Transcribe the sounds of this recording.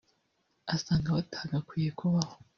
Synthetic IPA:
asaːŋɡaβatʰaːɡakwijekʰoβaho

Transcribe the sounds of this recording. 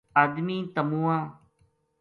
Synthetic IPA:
aːd̪miːt̪əmũːãː

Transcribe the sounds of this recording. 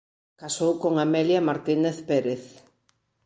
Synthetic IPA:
kasowkoŋamɛljamaɾt̪ineθpeɾeθ

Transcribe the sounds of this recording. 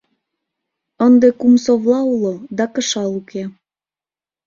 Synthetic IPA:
ənd̪ekumsoβlɑulod̪ɑkə̆ʃɑluke

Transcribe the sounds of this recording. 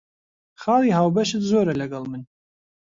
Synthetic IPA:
xɑːliːɦaːwbɛʃɨt̪zoːɾalɐɡɑlˠmɨn

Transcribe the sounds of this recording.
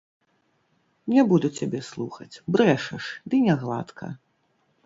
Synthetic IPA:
nʲɛbud̪ut͡sʲabʲɛslˠuxɐt͡sʲbɾɛʂɐʂd̪ɨnʲaɣlˠa̰t̪kʰɐ̰

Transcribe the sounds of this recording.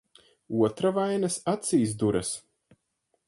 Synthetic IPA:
uɔt̪ɾavajnɐsat̪siːsd̪uɾɐs

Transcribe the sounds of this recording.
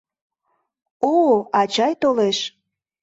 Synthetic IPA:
oɑt͡ɕɑjt̪oleʃ

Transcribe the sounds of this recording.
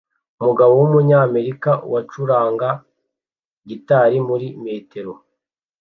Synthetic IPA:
umuɡaβowumuɲame̞ɾikawat͡ʃuɾaːŋɡa | ɟitaɾimuɾime̞ːte̞ɾo̞

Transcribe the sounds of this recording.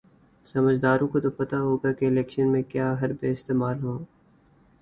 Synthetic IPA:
sɐməd͡ʒd̪aːɾõkot̪opɐt̪aɦoːɡakeɪlɛːkʃənmẽkjaːɦɐɾbeɪst̪eːmaːlɦõː

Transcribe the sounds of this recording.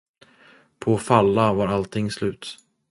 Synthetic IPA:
pʰɔfalːavaːɾalt̪ʰɪŋːslʉ̟ːt̪

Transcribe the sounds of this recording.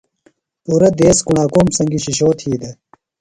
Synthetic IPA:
uɾɐd̪eːskuɳaːkoːmsɐŋɡiɕiɕoːt̪ʰhiːd̪e

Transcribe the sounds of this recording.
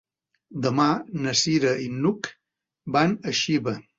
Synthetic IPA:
d̪ɐmanɐsiːɾɐinːuk | banɐʃibɐ

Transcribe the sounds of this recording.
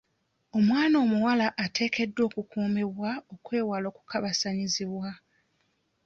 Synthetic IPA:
o̞mwaːno̞ːmuwalaʔatʰe̞ːke̞dːo̞ːkukuːmeβwao̞kwe̞ːwalo̞ːku̥kaβasaɲiziβwa

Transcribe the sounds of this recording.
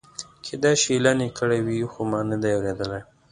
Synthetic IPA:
kʰed̪ɑjʃilanekəɽawixomɑnəd̪ajawɾed̪əlaj

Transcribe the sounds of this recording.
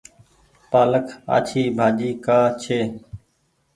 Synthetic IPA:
paːləkʰa̰ːt͡ʃʰiːbʱaːd͡ʒiːkaːt͡ʃʰeː

